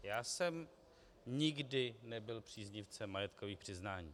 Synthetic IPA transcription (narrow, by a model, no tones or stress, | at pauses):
jaːsɛm | ɲɪɡdɪnɛbɪlpr̝̥iːzɲɪft͡sɛmːajɛt̪koviːxpr̝̥ɪznaːɲiː